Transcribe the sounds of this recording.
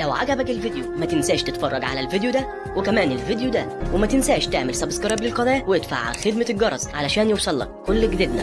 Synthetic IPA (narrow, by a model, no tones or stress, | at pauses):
læwʕa̰ɡæbækelved̪jumæt̪ensæːʃt̪et̪fɑrˤːɑɡʕa̰lælvid̪jud̪æ | wekæmæːnelvid̪jud̪æwemæt̪ɪnsæːʃt̪eʕmelsɑbskɑɾˤɑblɪlqɑd̪ˤæːjweed̪fa̰ʕxed̪mælɡɑɾˤɑzʕalæʃæːnjewsˤɑlːɑ̰kːolːɡd̪ed̪næ